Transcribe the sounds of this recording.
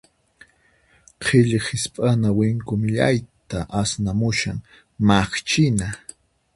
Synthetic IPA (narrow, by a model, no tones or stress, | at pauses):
qʰɪʎχɪspʼanawɪŋkʊmɪʎa̰jt̪aʔasnamʊʃaŋ | maχt͡ʃɪna